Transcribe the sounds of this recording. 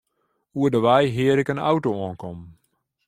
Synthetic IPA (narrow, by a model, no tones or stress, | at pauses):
uədəʋɛjɦɪəɾɪkəna̰wtoɔːnkʰɔm